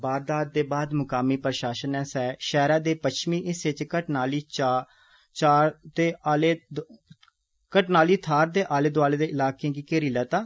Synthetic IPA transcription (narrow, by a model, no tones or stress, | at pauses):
baːɾd̪aːd̪̚ːeːbaːd̪mʊkaːmiːpɾəʃaːʃənɛ̃ːsɛːʃɛːɾaːd̪eːpəʃmiːʔɪset͡ʃkəʈnaːliːt͡ʃa | t͡ʃaːt̪eːleː | kəʈnaːliːt̪ʰaːɾd̪eːʔaːleːd̪ʊaːleːd̪eːʔɪlaːkẽkiːkeːɾiːlɛːt̪ãː